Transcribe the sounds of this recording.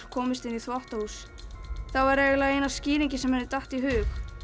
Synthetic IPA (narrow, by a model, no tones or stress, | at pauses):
kʰɔːmɪst̪ɪnːiθvɔht̪ahus | θawvaɾevɪlaejnasciːlɾiɲcɪsɛmhɛnðʏt̪aht̪iɦʏːx